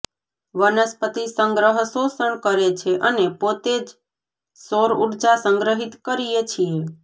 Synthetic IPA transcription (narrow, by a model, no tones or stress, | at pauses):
ʋənəspət̪isəŋɡɾəɦəsosəɳkəɾet͡ʃʰeʔənepot̪ed͡ʒ | soɾuʈd͡ʒasəŋɡɾəɦit̪kəɾijet͡ʃʰije